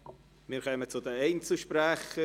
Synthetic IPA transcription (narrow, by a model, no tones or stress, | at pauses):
miːɾkœːmət͡sʊdəeɪnt͡suʃpɾɛxə